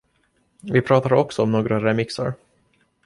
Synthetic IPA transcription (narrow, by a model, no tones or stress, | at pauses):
vɪpʰɾɑːt̪aɾɔksɔɔmnoːɡɾaɾɛmɪksa̰ɾ